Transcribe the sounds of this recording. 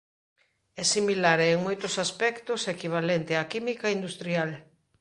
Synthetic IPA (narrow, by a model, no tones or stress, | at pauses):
ɛsimilaɾːŋmojt̪ʊsaspɛkt̪ʊsekiβ̞alent̪ɪakimikaind̪ust̪ɾial